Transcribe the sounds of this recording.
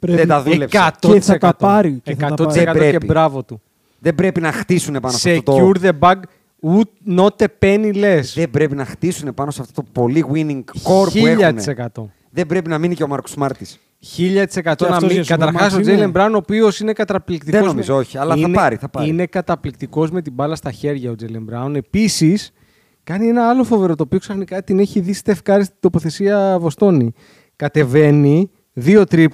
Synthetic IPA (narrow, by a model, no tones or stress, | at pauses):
ðet̪d̪ɐðelepsɐt̪ot̪isɐekɐt̪ɾiekɐt̪otissekɐt̪eoeibɾɐvo̞t̪u | ðebɾe̞pinɐxt̪isune̞pɐnosseot̪ouɾðebɐɡ | ut̪no̞t̪e̞penile̞sðebɾepinɐxt̪isune̞pɐnoseɐft̪ot̪opo̞liɣwiniŋɡko̞ɾpiueʎxɐt̪unesekɐt̪o̞ | ðebɾe̞pinɐminiceo̞mɐɾku̥smɐɾt̪is | çiʎɐt̪i̥se̞kɐt̪o̞nɐikɐt̪ɐɾxxɐs̬od͡zelembɾɐunopio̞sine̞kɐt̪ɐplik̚t̪iðeonozmizooçiɐlɐθiɐnɐɾiθɐpɐine̞kɐt̪ɐplik̚t̪iko̞zme̞t̪ibɐlɐst̪ɐçe̞ɾʝɐod͡zele̞mbɾɐune̞pisis | kɐnie̞nɐɐlo̞fo̞ve̞ɾo̞t̪o̞pio̞ksɐθnikɐt̪ine̞çiðist̪efkɐɾist̪i̥d̪opo̞θe̞siɐvo̞st̪o̞ni | kɐt̪e̞ve̞ni | ðio̞t̪ɾip